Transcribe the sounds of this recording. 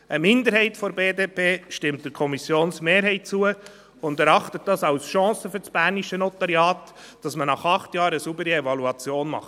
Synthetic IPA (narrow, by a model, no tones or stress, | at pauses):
ʔəmɪndəɾhɛɪtfɔɾbeːdeːpʰeːʃtɪmt̚d̥əɾkʰɔmisjoːnsmeːɾɦɛɪt̚t͡suə | ʊndɛɾɑχtət̚dɑsɑʊsʃɑ̃ːsəfʏɾsb̥æɾniʃənɔtɑɾjɑːt | d̥ɑsmənɑχɑχtjɑːɾəsubəɾiɛvɑluɑt͡sjoːnmɑ̰χt